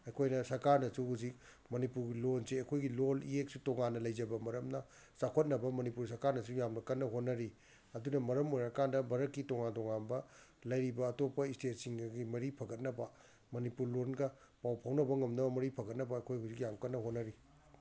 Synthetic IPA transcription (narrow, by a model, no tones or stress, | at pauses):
ɐjkʰojnɐsɐɾkaɾnɐsuɦuzik̚ | mɐnipuɾɡilonseɐjkʰojɡilolieksutoŋanːɐlɐjzɐbɐmɐɾɐmnɐ | sakʰot̚nɐbɐmɐnipuɾs̬ɐɾkaɾnɐsujamnɐkɐtnːɐɦot̚nɐɾi | ɐdunɐmɐɾɐmojɾakandɐbɐɾɐkːitoŋantɔŋanbɐ | lɐjɾibɐːtopːɐistet̚siŋɡɡimɐɾipʰɐɡɐt̚nɐbɐ | mɐnipuɾlonɡɐ | pawpʰawnɐbɐŋɐmnɐbɐmɐɾipʰɐɡɐt̚nɐbɐɐjkʰojɦuzik̬jaŋkɐtnɐɦot̚nɐɾi